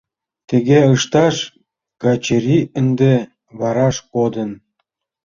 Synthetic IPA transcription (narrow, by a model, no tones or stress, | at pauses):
t̪eɣeɤʃt̪ɑʃ | ɡɑt͡ɕeɾʲiə̆nd̪e | βɑɾɑʃpod̪ə̆n